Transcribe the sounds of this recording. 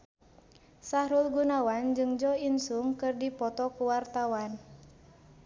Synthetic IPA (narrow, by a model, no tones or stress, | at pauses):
sahɾulɡunawand͡ʒɨŋd͡ʒɔinsuŋkɨrdipɔt̪ɔkuwart̪awan